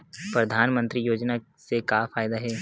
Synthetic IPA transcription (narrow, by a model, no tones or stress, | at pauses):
pɾɐd̪ʱaːnmə̃nt̪ɾijoːd͡ʒna | sekaːfaːjd̪aɦɛː